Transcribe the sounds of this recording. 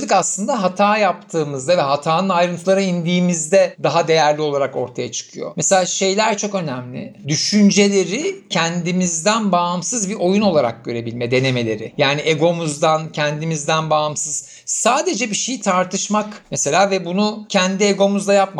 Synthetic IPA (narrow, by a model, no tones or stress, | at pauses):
ɯkaslˠɯnd̪aɦat̪ʰaːjap̚t̪ʰɯːmɯzd̪avɛɦat̪ʰaːnɯnajɾɯnt̪ʰɯlˠaɾɯind̪iːmizd̪ɛd̪aɦad̪e̞jæɾlʲio̞lˠaɾako̞ɾt̪ʰajat͡ʃʰɯ̥kʰɯjo̞̰meselʲaːʃe̞jlʲæɾt͡ʃʰo̞kø̞næmlʲɪ̰d̪yʃynd͡ʒe̞lʲe̞ɾɪcʰɛnd̪imizd̪ænbamsɯzbiʔo̞juno̞lˠaɾa̰k̚ɟø̞ɾe̞bilʲmɛd̪e̞ne̞me̞lʲe̞ɾɪ̰jaːniʔeɡo̞muzd̪ancʰɛnd̪imizd̪ænbaːamsɯz̥ | saːd̪e̞d͡ʒɛbiʃe̞jit̪ʰaɾt̪ʰɯʃmakmese̞lʲaːvɛbunucʰɛnd̪ieɡo̞muzd̪ajap̚ma